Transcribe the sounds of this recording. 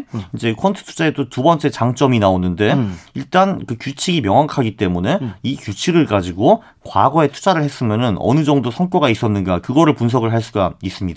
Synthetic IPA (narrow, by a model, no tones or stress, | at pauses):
ind͡ʑe̞kʰʌntʰɯ̥tʰu̥d͡ʑaedotubʌnt͡ɕ͈e̞t͡ɕaŋt͡ɕ͈ʌminaonːɯnde̞iɭt͈ankɯkjut͡ɕʰiɡimjʌŋwakʰaɡit͈e̞mune̞ikjut͡ɕʰiɡɯɭkad͡ʑiɡo | kwa̰ɡʌe̞tʰu̥d͡ʑaɾɯɭhe̞s͈ɯmjʌnɯnʌ̰nɯd͡ʑʌŋdosʰʌnk͈oɡais͈ʌnːɯnɡakɯɡʌɾɯɭpuns̬ʰʌɡɯɭɦaɭs̬͈uɡais͈ɯmɲidaa